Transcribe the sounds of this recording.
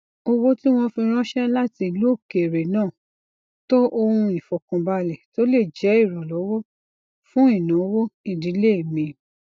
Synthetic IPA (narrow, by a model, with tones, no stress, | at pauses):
o˧wo˦ti˦w̃ɔ̃˧fĩ˧ɾ̃ɔ̃˦ʃɛ˦la˦ti˧˨lu˨˦o˦˨ke˨ɾe˨nãː˦˨ | to˦ʔo˧hũ˧i˨fɔ˨kɔ̃˨˧ba˧lɛ˨to˦le˦˨d͡ʒɛ˨˦i˦˨ɾɔ̃˨lɔ˨˦wo˦ | fũ˦i˦˨nã˨˦wo˦i˦˨di˨˦le˦i˦˨mĩ˧